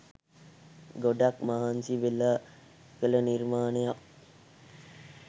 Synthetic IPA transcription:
ɡoɖakmaɦansiʋela | kələnirmaːnejak̚

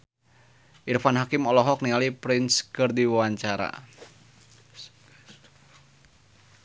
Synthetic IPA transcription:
ʔirfanɦakɪmɔlɔɦɔk̚niŋalipɾɪnskɨrdiwawaɲt͡ʃaɾa̰

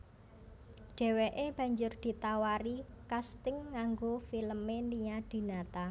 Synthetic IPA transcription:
ɖ̥ɛ̤weʔeb̥ä̤ɲd͡ʒʊrd̪̥i̤t̪awaɾikast̪ɪŋːaŋɡofiləmeniɲad̪̥i̤nat̪a

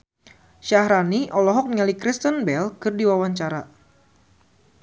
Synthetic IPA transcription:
ʃahɾaniʔɔlɔɦɔk̚nŋalikɾist̪ənbɛlkɨrdiwawaɲt͡ʃaɾa

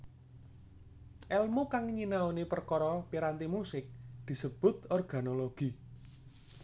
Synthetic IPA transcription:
ʔɛlmokaŋɲinaonepərkɔɾɔpiɾant̪imusɪk̚d̪̥i̤səb̥ʊ̤t̪ɔrɡ̥a̤noloɡ̥i

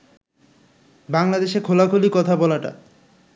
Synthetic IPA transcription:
baŋlad̪eʃekʰolakʰolikɔt̪ʰabɔlaʈa̰

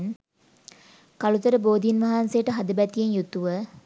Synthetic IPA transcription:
n | kalut̪əɾəboːd̪inʋɐɦansejəʈəɦad̪əbæt̪ijenjut̪ːuʋə

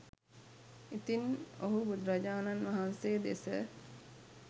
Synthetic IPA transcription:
it̪inoɦubud̪ɾɐd͡ʒaːnanʋɐɦansejd̪esə

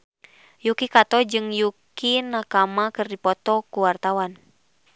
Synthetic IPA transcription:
jukikat̪ɔd͡ʒɨŋjukinakamakɨrdipɔt̪ɔkuwart̪awan

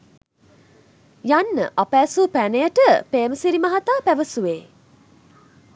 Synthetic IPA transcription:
janːə̰ʔapæːsuːpænejəʈəpeːməsiɾimaɦat̪aːpæʋəsuʋeː

